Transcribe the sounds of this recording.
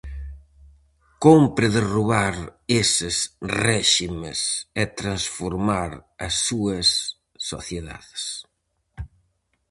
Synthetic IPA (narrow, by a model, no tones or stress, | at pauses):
kompɾɪðɪruβaɾesɪsrɛʃimɪ̰sɛt̪ɾansfoɾmaɾɐsːuɐsː | o̰θjeða̰ðɪs